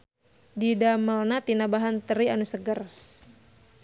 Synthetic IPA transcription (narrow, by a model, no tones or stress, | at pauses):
didaməlnat̪inabaɦant̪əɾianusəɡər